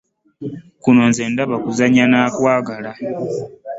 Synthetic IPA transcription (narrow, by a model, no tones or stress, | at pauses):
kuno̞nze̞ːndaβakuzaɲanaːkwaːɡala